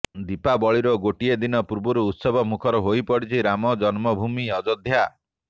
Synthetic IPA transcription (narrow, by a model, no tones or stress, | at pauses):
d̪ipabɔɭiɾɔɡoʈied̪inɔpuɾbuɾuːt̪sɔbʱɔmukʰɔɾɔɦojpɔɽit͡ʃʰiɾamɔd͡ʒɔnmɔbʱumiɔd͡ʒɔd̪ʱja